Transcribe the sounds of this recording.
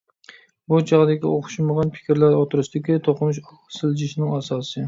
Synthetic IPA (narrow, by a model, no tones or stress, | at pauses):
bʊt͡ʃʰɑʁd̪akʲɪoχʊ̥ʃɪmɑʁɑnpʰɪ̥kʲʰɪɾlaɾɒt̪ʰʊɾɪʃd̪ɪkʲɪt̪ʰoqɨmɪʃ | sɪld͡ʒɪʃnɪŋasɒsɪ